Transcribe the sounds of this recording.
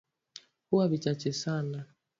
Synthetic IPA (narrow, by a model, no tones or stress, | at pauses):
kuwaβit͡ʃat͡ʃɛsana